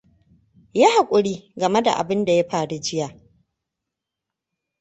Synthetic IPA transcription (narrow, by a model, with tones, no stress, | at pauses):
ja˦ha˨kʷʼʊ˨ɽiː˦ɡɐ˨me˦da̰˨ʔa̰˨bɪ˦nda˨ja˦ɸaː˨ɽu˦d͡ʒɪ˦jaː˨